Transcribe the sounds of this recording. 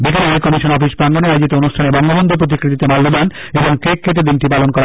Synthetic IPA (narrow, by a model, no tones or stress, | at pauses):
bikelekɔmiʃonɔfiʃbaŋɡoneajod͡ʑit̪oonuʃʈʰanebɔŋɡobɔnd̪ʱop̬ɾot̪̬ikɾit̪it̪emalːod̪an | eboŋkekʰːet̪̬ed̪inʈipalonkɔɾa